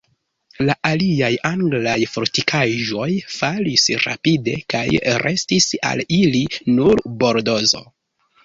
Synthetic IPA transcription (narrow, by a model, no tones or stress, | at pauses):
laʔaliajaŋɡlajfoɾtikʰaʒo̞jfalisɾa̰pide̞̰kajɾʔe̞stisa̰lilinuɾbo̞ɾdo̞zo̞̰